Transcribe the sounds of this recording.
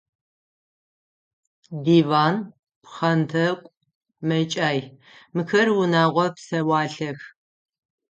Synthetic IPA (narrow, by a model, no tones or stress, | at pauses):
diːvaːn | pχɐntʰɐkʷʼ | mɐt͡ʃʼaːj | mɨxɐrwʊnaːʁʷɔpsɐwɑːɬɐx